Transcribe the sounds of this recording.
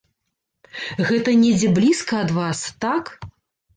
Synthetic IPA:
ɣɛt̪ɐnʲɛd͡zʲɛblʲiskɐɐd̪vast̪ak

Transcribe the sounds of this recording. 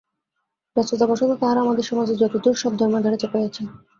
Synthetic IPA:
bɛst͡ɕot̪abaʃot̪ot̪aɦaɾaamad̪eɾʃɔmad͡ʑeɾd͡ʑɔt̪od̪ʱoɾʃɔb̚d̪ʱɔɾmad̪ʱaɾet͡ɕapajat͡ɕʰe

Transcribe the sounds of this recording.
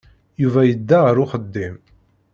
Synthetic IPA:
juvæjəd̪ːaʁəɾʊχəd̪ːim

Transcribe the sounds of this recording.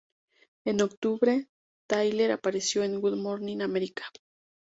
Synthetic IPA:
enokt̪uβɾe | t̪ajleɾapaɾesjoeŋɡuðmoɾninameɾikḁ

